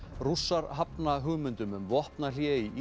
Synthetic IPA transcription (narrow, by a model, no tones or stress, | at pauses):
rusːaɾɦapnaɦʏɣmʏnt̪ʏmʏmvɔhpnal̥jɛːiʔ